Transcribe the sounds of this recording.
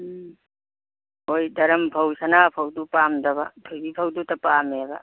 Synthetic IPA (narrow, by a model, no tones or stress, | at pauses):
ɦojdɐɾɐmpʰɐwsanapʰɐwdupamdɐβa̰tʰojbipʰawdutɐpameba̰